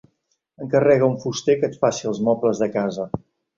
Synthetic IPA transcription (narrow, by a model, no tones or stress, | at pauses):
əŋkərɛɣəuɱfust̪ekət̪fasiəlˠzmɔpləzðəkazə